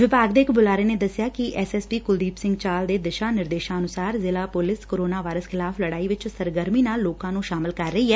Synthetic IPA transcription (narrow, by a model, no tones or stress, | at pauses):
ʋɪbaːɡd̪eːɪkbʊlaːɾeːneːd̪əsːɪjaːkɪʔɛːsɛːspiːkʊld̪iːpsɪ̃ŋɡt͡ʃaːld̪eːd̪ɪʃãːnɪɾd̪eːʃãːənʊsaːɾzɪlaːpʊlɪskoːɾoːnaːʋaːɾəskʰɪlaːfləɽaːiʋɪt͡ʃsəɾɡəɾmiːnaːlːoːkãːnũːʃaːmɪlkəɾːəɦiːɦɛː